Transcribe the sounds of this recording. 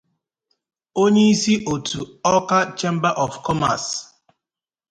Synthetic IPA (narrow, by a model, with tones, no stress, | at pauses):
o˦ɲe˦i˦si˦ʔo˨tʰu˨ɔ˦ka˦t͡ʃe˦m̩˦ba˦ʔɔ˨fkʰɔ˦ma̰˨s